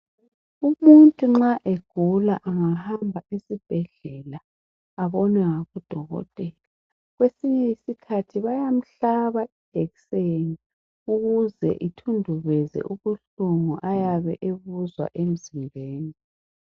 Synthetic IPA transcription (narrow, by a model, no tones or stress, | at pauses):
umuntʼuŋ͡ǁaʔeɡ̥ʱula̰ʔaŋahambʱaisib̥ʱɛɮɛlaː | βɔnwɛŋaβud̥ʱɔɣɔ̰tʼɛla | ɣwesiɲɛisikʰatʰiβajam̩ɬaβaʔid̥ʱɛɣseni | uɣuzɛ̰ʔitʰundʱuβɛzɛ̰ʔuβuɬuŋuʔajaβɛʔeβuzwa̰ʔem̩zileːni